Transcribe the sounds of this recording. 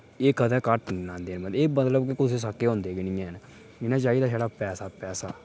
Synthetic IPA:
eːkʰəd̪əːkəʈnãːnd̪eːnməleːmət̪ləbkɪkʊseːs̬akːeːɦõːnd̪eːɡɪnĩːẽːɦn | ɪnãːt͡ʃaːiːd̪aːʃaːɽaːpɛːsaːpɛːsaː

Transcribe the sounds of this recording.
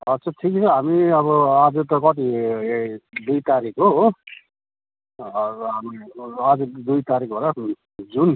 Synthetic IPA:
ʌtːt͡sʰʌʈʰikt͡sʰʌɦamiʌβʌad͡zut̪ʌkʌt̪̬i | d̪ujt̪aɾikʰɦoɦo | ɦamiad͡zud̪ujt̪aɾikboɾa | d͡zun

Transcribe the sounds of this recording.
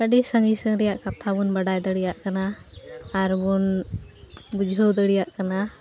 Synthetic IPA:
kaɖisəŋɡisəŋɾɛjaʔkat̪ʰabunbaɖajd̪əɽijaʔkanaː | ɾbun | bud͡ʒʱɦəwd̪əɽijaʔkana

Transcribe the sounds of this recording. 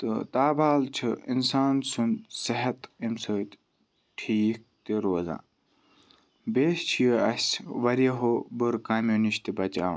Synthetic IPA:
t̪ɨt̪aːbaːlt͡ʃʰɨḭnsaːnsunsɐɦɐt̪imsəːt̪ | ʈʰiːk̚t̪iɾoːzã̰ː | beːst͡ʃʰijəɐsʲʋɐɾɐɦobɨɾkaːmjuːniʃt̪ibɐt͡ʃa̰ː

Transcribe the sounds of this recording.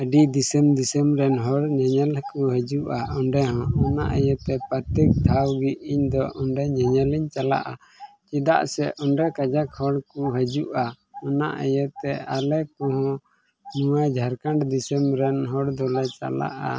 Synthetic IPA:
əɖid̪isəmd̪isəmɾɛnɦɔɽɲaɲəlkuɦəd͡ʒuʔaɔɳɖɛɦɔ̃ɔna̰ʔəjət̪ɛpaɾt̪ɛk̚d̪ʱawɡiiɲd̪ɔʔɔɳɖɛɲaɲəliɲt͡ʃala̰ʔa | t͡ʃid̪a̰ʔsɛʔɔɳɖɛkad͡ʒakhɔɽkuɦəd͡ʒuʔa | ɔna̰ʔəjət̪ɛalɛkɔ̃ɦɔ̃ | nuwad͡ʒʱaɾkaɳɖd̪isəmɾɛnɦɔɽd̪ɔlɛt͡ʃa̰la̰ʔa̰

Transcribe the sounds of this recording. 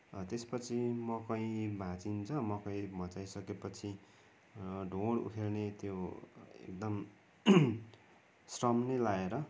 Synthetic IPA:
t̪espʌt͡sʰimʌkʌĩbʱãt͡sint͡sʰʌmʌkʌĩbʱʌ̃t͡sajsʌkepʌt͡sʰi | ɖʱoɽṵʈʰelnet̪joḛk̚d̪ʌm | srʌmnelaeɾʌ

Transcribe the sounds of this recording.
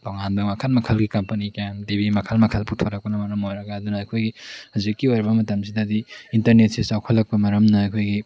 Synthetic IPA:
toŋanbɐmɐkʰɐlmɐkʰɐlɡikɐmpɐnikjamdebimɐkʰɐlmɐkʰɐlputʰoɾɐk̚pɐnɐmɐɾɐmojɾɐɡaːdunɐːjkʰojɡihazikːiojɾbɐmɐtɐmsidɐdiintɐɾnet̚sisawkʰɐlːɐk̚pɐmɐɾɐmnɐɐkʰojɡi

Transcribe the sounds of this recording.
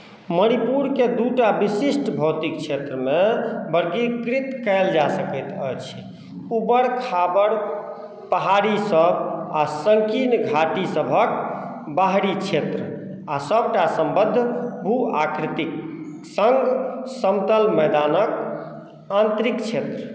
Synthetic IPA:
məɽ̃ipuɾked̪uʈabisisʈbʱəwt̪ikt͡ʃʰet̪ɾəmebəɾɡikɾit̪kɛɪld͡ʒasəkət̪əjt͡ʃʰ | ubəɾkʰabəɾ | pəɦaɾisəbasəŋkinɡʱaʈisəbʱək̚ | baɦɽit͡ʃʰet̪ɾə | asəb̚ʈasəmbəd̪ʱbʱuakɾit̪ik | səŋɡsəmt̪əlməjd̪anək | ãnt̪ɾikt͡ʃʰet̪ɾə

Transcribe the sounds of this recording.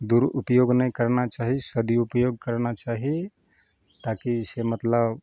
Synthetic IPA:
d̪uɾupjoɡnəjkəɾnat͡ʃaɦisəd̪ʱiupjoɡ̚kəɾnat͡ʃaɦi | t̪akisemət̪ləb

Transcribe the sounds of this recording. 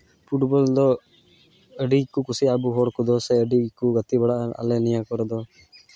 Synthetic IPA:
pʰuʈbɔld̪ɔ | əɖikukusiabuɦɔːɽkud̪ɔseəɖikuɡɐt̪ibɛɽaɐ̰lːenijakɔɾɔd̪ɔ

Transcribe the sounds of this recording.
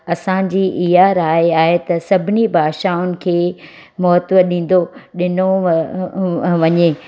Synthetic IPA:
ɐsãd͡ʑiːʔijaːɾaːɦeaːɦet̪ɐsɐbʱɪnibʱaːʃaʊnɪ̆kʰeː | mɔːɦət̪ʋəɗĩːn̆d̪oɗɪno | ʋɐɲe

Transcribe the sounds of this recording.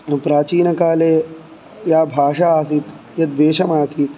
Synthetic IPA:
pɾaːt͡ʃiːnɐkaːleː | jaːbʱaːʃaaːsit̪ | jɐd̪ʋeːʃɐmaːsiːt̪

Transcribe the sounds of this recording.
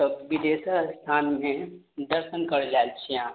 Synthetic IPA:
bid̪eːsast̪ʰaːnmẽ | d̪ɐɾʃənkɐɽlaːlt͡ʃʰjɦãː

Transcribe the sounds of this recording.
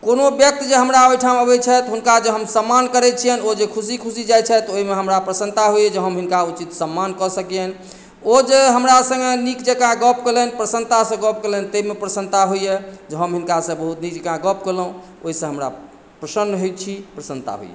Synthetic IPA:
konobjək̚t̪d͡ʒeɦəmɾaojʈʰaməbɛt͡ʃʰɛt̪ɦunkad͡ʒeɦəmsəmːankəɾɛt͡ʃʰijɛnod͡ʒekʰusikʰusid͡ʒajt͡ʃʰɛt̪oɦimeɦəmɾapɾəsənt̪aɦoijɛd͡ʒeɦəmɦinkaut͡ʃit̪səmːankɔsəkijɛn | od͡ʒeɦəmɾasə̃ŋɡenikd͡ʒekãɦɡɔpkelɛnipɾəsənt̪asə̃ɡɔp̚kelɛnt̪əɦimepɾəsənt̪aɦojjed͡ʒeɦəmɦinkasə̃bəɦut̪nik̚d͡ʒekãɡɔpkeləũ | oɦisə̃ɦəmɾa̰ | pɾəsənɦet̪̚t͡ʃʰipɾəsənt̪a̰ɦo̰jḛ

